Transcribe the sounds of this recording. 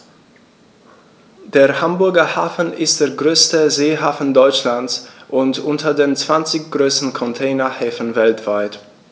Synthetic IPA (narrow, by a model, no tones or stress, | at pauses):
d̥eːɐhambʊɐɡɐhaːfn̩ɪst̚d̥eːɐɡʁøːstəzeːɦaːfn̩dɔʏt͡ʃlant͡sʔʊntʔʊntʰɐdeːnt͡sv̥ant͡sɪçɡ̥ʁøːstn̩kʰɔntʰɛːnɐhɛːfən̩vɛltv̥aɪt